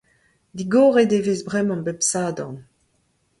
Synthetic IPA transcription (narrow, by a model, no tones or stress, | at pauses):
d̪iɡoːʁedevezbʁɛmɑ̃bepsaːdɑ̰̃n